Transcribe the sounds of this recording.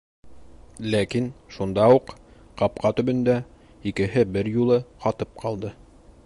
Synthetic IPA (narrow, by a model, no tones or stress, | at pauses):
lækinʃund̪ɑuq | qɑp̚qɑt̪ɵ̆bɵ̆nd̪æ | ikɘ̆ɦɘbɘɾjulˠɤqɑt̪ɤp̚qʰɑlˠd̪ɤ